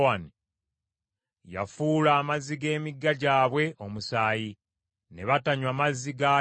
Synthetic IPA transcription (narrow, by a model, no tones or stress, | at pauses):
ani | ja̰fuːlaːmaziɡe̞ːmiɡːaɟaːβwe̞ʔo̞musaːji | ne̞βataɲwamaziɡa